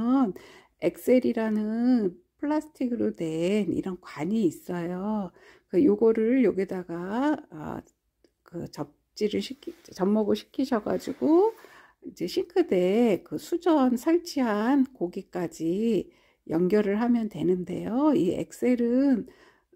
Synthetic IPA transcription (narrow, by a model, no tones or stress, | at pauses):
ʌn | e̞̰k̚s͈e̞ɾiɾanɯnpʰɯɭːasʰɯ̥tʰiɡɯɾode̞nḭɾʌnkwaɲiːs͈ʌjo | kɯjoɡʌɾɯɭjoɡidaɡaʌ̰ | kɯt͡ɕʌp̚t͡ɕ͈iɾɯɭɕʰikʰit͡ɕʌmːʌɡoɕʰi̥kʰiɕʰʌɡa̰d͡ʑiɡo | ind͡ʑe̞ɕʰiŋkʰɯde̞kɯsʰud͡ʑʌnsʰaɭt͡ɕʰiɦankoɡik͈ad͡ʑi | jʌŋɡjʌɾɯɭɦamjʌntwe̞nɯnde̞̰joiḛk̚s͈e̞ɾɯn